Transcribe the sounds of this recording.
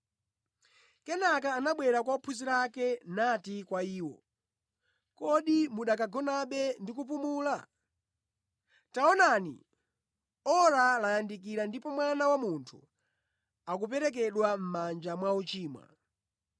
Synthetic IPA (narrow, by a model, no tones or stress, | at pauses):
kɛnakaːnaɓwɛɾakwaupʰuziɾakɛnatikwaiːwɔ̰ | kɔɗimuɗak̬aɡɔnaɓɛndikup̬umuːla | taɔnanḭ | ɔɾalajandik̬iɾandipɔmwanawamuntʰṵ | ak̬up̬ɛɾɛk̬ɛɗwam̩mand͡ʒamwaut͡ʃiːmwa̰